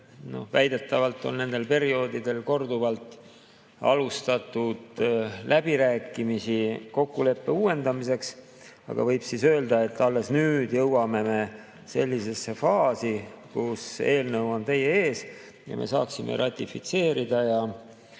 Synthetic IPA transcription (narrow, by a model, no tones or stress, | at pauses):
no̞̰væjd̪̥e̞t̪ːˑɑvɑlt̪ˑːo̞̰nne̞nd̪̥e̞lpe̞ɾio̞ːd̪id̪e̞lko̞rd̪uvɑlt̪ˑ | ɑ̰lust̪ɑt̪ːˑud̪̥lʔæb̥iɾæːkːˑimisiko̞kːule̞pːe̞uːe̞nd̪ɑmise̞ks | ɑ̰ɡ̥ɑ̰vɤjb̥sisøːld̪̥ɑe̞t̪ːɑlːe̞snyːd̪̥jɤwwɑme̞me̞ | se̞lʲːise̞sefɑːsikuse̞ːlnəwo̞nt̪e̞jeeːs | jɑ̰me̞̰sɑ̰ːksimʔḛɾʔɑt̪ʲːˑifit̪se̞ːɾid̪̥ɑjɑ